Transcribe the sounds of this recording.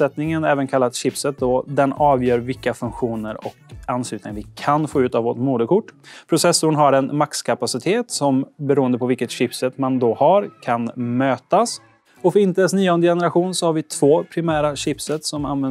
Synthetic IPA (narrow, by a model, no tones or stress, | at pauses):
ɛt̪nɪŋənɛːvənkʰalːat̪ɕɪpsət̪̚d̪ɔd̪ɛnɑːvjœːɾvɪlkːafɵŋkɧuːnəɾɔ̰kanslʉːt̪nɪŋavɪkʰanfoːʉ̟ːt̪avoːʈmuːd̪əkʰʊʈːpʰɾʊsɛsːʊɳɦaɾɛnmakskʰapasɪt̪ʰeːt̪sɔmbɛɾuːənd̪əpʰɔvɪlkət̪ɕɪpsɛt̪mand̪ɔhaɾkʰanmøːt̪as | ɔfœɾɪnt̪əd̪ɛsnyːoːnd̪əjɛnəɾaɧuːnsɔhaɾvɪt̪ʰv̥oːpʰɾɪmæːɾaɕɪpsət̪sɔma̰nvɛn